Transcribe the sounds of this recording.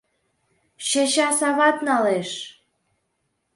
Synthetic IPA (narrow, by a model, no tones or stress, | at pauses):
ʃeɕɑsɑβɑt̪nɑleʃ